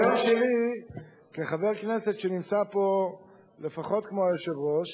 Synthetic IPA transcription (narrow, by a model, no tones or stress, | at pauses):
aʃeli | keχave̞ʁkne̞se̞tʃenimt͡sapo̞ | le̞faχo̞tkmoeʃevʁo̞ʃ